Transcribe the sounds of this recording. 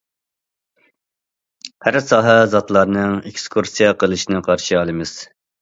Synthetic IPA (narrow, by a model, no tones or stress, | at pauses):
hæɾsɑːɦɛzɑt̪lˠɑɾnɨŋekskʰuɾsijɑqəlˠɨʃinɨqʰɑɾʃiɑlˠɨmɨz̥